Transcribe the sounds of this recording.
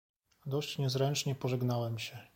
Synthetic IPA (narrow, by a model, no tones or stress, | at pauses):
d̪ɔɕt͡ɕɲɛzɾɛnt͡ʂɲɛpɔʐɛɡnawɛmɕɛ